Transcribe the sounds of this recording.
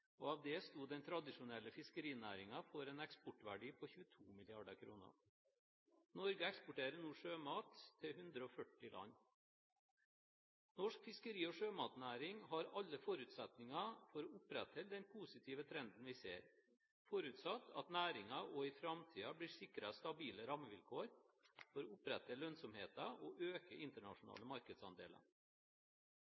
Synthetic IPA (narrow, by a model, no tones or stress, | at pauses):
ɔːɑːʋd̪ɛːst̪uːd̪d̪ɛnt̪ʰɾɑd̪ɪʂʊnɛlːəfɪskəɾiːnæ̰ːɾɪŋɑfɔɾɛːnɛkspɔʈʋæɖiːpʰɔçʉːət̪ʰuːmɪlɪɑɖəkʰɾṵːnə̰ɾ | nɔɾɡəɛkspʊʈeːɾənuːʂøːmɑːt̪ʰːɪɦʉnd̪ɾəɔfœʈːɪlʔɑ̰nː | nɔʂkfɪskəɾiːɔʂøːmɑːt̪næːɾɪŋɦɑɾɑʎːəfɔɾʉːt̪sɛt̪nɪŋɑfɔɾɔʊpɾɛt̪hɛld̪ɛnpʰuːsɪt̪ʰiːʋət̪ʰɾɛnd̪n̩ʋɪsḛːɾ | fɔɾʉːt̪sɑt̪ːɑ̰t̪næːɾɪŋɑʔoɪfɾɑmt̪ʰiːɑbliːsɪkɾɑst̪ɑbiːləɾɑməʋɪlkʰoːɾfɔɾɔʊpɾɛt̪ːəlœnsɔmheːt̪ɑoʔøːkəʔɪnt̪əɳɑ̰ʂʊnɑ̰ːləmɑɾkəd̪sɑ̰nd̪ḛːlə̰